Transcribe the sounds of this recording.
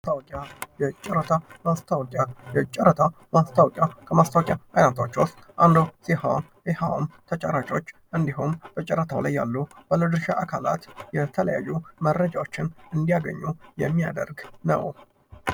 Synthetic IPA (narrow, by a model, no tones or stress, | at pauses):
ast̪ʰawkʼajɛt͡ʃʼɛɾət̪ʰamast̪ʰawkʼajɛt͡ʃʼɛɾət̪ʰa | mast̪ʰawkʼjakʰəmast̪ʰawkʼjaʔajnat̪ʰwot͡ʃːwʊst̪ | ʔand̪osihaw | ɛhaw̰mt̪ʰət͡ʃʼəɾat͡ʃʼo̞t͡ʃːʔɨnd̪iɦumb̥ət͡ʃʼɛɾət̪ʰawlajːa̰lːub̥əlɨd̪ɨɾʃiʔakʰala̰t̪jɛt̪ʰələjajːumərːəd͡ʒawo̞t͡ʃːɪnɨnd̪ijaɡə̰ɲːujɛmːija̰d̪ə̰ɾɡnə̰w